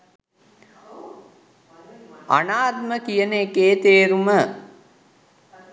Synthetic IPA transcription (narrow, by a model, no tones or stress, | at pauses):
a̰naːt̪̚məkijəneekeːt̪eːɾumə